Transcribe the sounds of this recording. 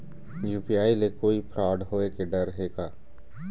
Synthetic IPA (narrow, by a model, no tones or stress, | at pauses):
juːpijaːilekoːipʰɾaːɖɦoːekeɖɐɾɦeːɡaː